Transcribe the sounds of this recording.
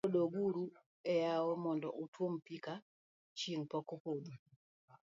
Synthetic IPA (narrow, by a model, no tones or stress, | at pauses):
oɗoɡuɾu | ɛjawɔmɔndɔʔutwompika | t͡ʃinpɔkopod̪u